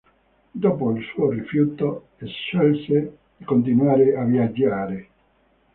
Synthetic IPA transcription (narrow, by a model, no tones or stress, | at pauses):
d̪oːpoilsuːorifjut̪o | ɛsʃɔlse | ikont̪̬inwaːɾeavjad͡ʒːaːɾe